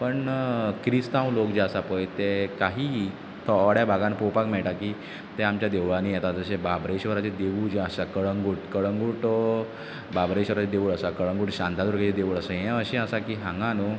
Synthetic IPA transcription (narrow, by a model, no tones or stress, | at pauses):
pəɳkɾist̪ãwlokd͡ʑeəsapəjt̪ekaɦiː | t̪ʰɔɽjabʱaɡãnpowpakmɛɭʈakiː | t̪ɛamt͡ɕjad̪eʋɭanijɛt̪at̪əɕebabɾeɕʋəɾat͡ɕed̪euːd͡ʑeəɕakəɭəŋɡuːʈkəɭəŋɡuːʈ | babɾeɕʋəɾat͡ɕed̪euːɭəsakəɭə̃ŋɡuːʈɕãnt̪ad̪uɾket͡ɕed̪euːɭəsəɦɛ̃əɕẽəsakiːɦãŋɡano